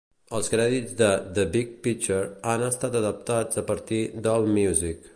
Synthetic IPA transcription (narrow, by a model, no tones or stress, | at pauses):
əlˠskɾɛðid͡zd̪əðəbik̚pit͡ʃəɾanəst̪at̪əðəp̚t̪ad͡zəpəɾt̪id̪əlˠmjuzik